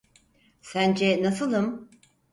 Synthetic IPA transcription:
sænd͡ʒɛnasɯlˠɯm

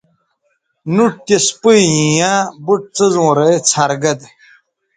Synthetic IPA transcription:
nuʈ̚t̪espɨjĩjãbuʈ̚t͡sɨzõːɾet͡sʰɐɾɡɐd̪

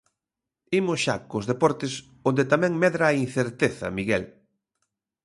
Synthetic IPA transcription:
imʊsʃakʊzðepɔɾt̪ɪs | ond̪et̪amɛ̃ŋmɛðɾaːin̟θeɾt̪eθɐ̰miɣɛl

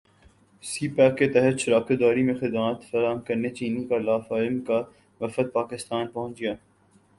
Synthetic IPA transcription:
siːpɛːkːet̪ɛɦət̪ʃʊɾaːked̪ɔːɾimẽxɪd̪maːt̪fɐɾaːɦəmkɐɾnet͡ʃiːnikalaːfaːɪmka | ʋɐfət̪̚paːkɪst̪aːnpɐɦʊ̃nt͡ʃɡijaː

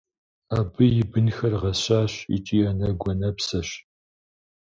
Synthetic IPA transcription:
aːbɨjɪbɨnxɐrʁɐɕaːɕḭt͡ʃʼiːɐnɐɡʷɔnɐpsɐɕ

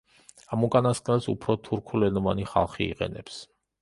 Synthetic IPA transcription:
amukʼanaskʼnɛlˠsṵpʰɾɔt̪ʰuɾkʰulɛnɔvaniχa̰lˠχḭːqʼɛ̰nɛps

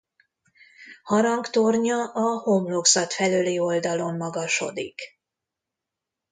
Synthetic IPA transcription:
hɒɾɒŋkt̪orɲɒʔɒhomloksɒt̪fɛlølio̞ld̪ɒlo̞mːɒɡɒʃo̞̰d̪ḭk

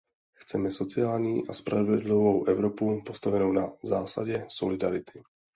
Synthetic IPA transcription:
xt͡sɛmɛso̞t͡sɪaːlɲiːʔaspɾavɛdlivowʔɛvɾopupost̪avɛnownazaːsa̰ɟɛso̞lɪdaɾɪt̪ɪ

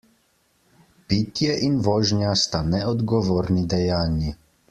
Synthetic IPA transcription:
piːt̪jɛʔinʋɔːʒnjast̪anɛɔd̪ɡɔʋoːɾnid̪ɛjaːnji

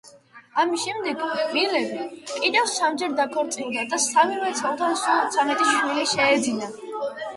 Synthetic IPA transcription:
amisʃɛmd̪ɛɡmilɛvikʼid̪ɛvsamd͡ʒɛɾd̪akʰɔɾt̪sʼilˠd̪ad̪asamivɛt̪sʰɛlˠt̪ʰansut̪sʰamɛt̪ʼiʃiliʃɛːd̪zina

